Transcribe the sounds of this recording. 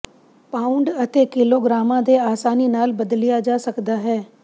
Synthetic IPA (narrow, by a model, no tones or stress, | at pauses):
paːʊ̃ɳɖət̪eːkɪloːɡɾaːmãːd̪eaːsaːninaːlbəd̪lɪjaːd͡ʒaːsəkd̪aːɦɛː